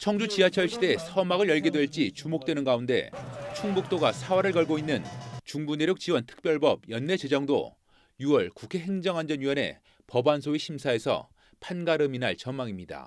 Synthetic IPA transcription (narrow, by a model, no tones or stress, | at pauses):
t͡ɕʰʌŋd͡ʑut͡ɕiat͡ɕʰʌɭɕʰide̞sʰʌmaɡɯɭjʌɭɡedwe̞ɭt͡ɕ͈it͡ɕumok̚t͈wenɯnɡaunde̞̰t͡ɕʰuŋbuk̚t͈oɡasʰawaɾɯɭɡʌɭɡoinːɯnt͡ɕuŋbune̞ɾjuk̚t͡ɕiwʌntʰɯ̥k̚p͈jʌɭbʌb̚jʌnːe̞t͡ɕe̞d͡ʑʌŋdo̰ | juʌɭkukʰe̞ɦe̞ŋd͡ʑʌŋand͡ʑʌnɥiwʌne̞̰ | pʌbansʰoiɕʰimsʰae̞sʰʌ̰ | pʰanɡaɾɯminaɭt͡ɕʌmːaŋimɲida̰